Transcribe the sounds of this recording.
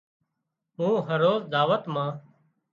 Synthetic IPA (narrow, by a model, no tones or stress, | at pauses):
ũːɦəɾoːzd̪aːʋət̪mãː